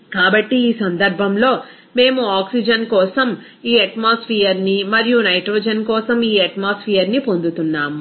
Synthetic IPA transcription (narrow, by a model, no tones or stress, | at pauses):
kaːbɐʈːiːsɐnd̪ɐɾbʱɐmlo̞ː | me̞ːmuaːksid͡ʒɐnkɔːsɐm | iːɐʈmaːspʰiːɐɾnimɐɾijunɐjʈɾoːd͡ʒɐnkɔːsɐmiːɐʈmaːspʰiːjɐɾnipo̞nd̪ut̪unːaːm